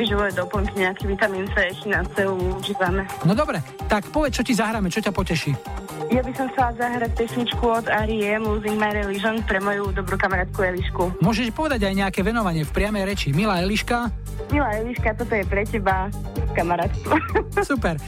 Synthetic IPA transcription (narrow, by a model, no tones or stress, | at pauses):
iʒɛʋɔjɛd̪ɔpɔŋkiɲɛakɛʋit̪amiːnsaɛʃɛnat͡sɛluuʒiːʋamɛnɔd̪ɔbɾɛt̪akpɔʋɛt͡st͡ʃɔcizaɦɾaːmɛt͡ʃɔcapɔcɛʃiː | jabisɔmxt͡sɛlazaɦɾac̚pɛsɲit͡ʃkuɔd̪aːɾiɛmuːziŋɡmaɾɛliʒɔnpɾɛmɔjud̪ɔbɾuːkamaɾaːt̪̚kuɛliʃkumʊɔʒɛʃpɔʋɛd̪aɟajɲɛakɛʋɛnɔʋaɲɪɛfpɾɪamɛjɾɛt͡ʃimilaɛliʃka | milaɛliʃkat̪ɔt̪ɔjɛpɾɛcɛba | kamaɾaːt̪kusupɛɾ